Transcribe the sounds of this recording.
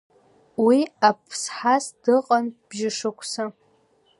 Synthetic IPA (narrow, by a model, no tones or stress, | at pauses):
wiapʰsħasd̥ɨqʼanb̥ʒɪʂɨkʷʰʼsa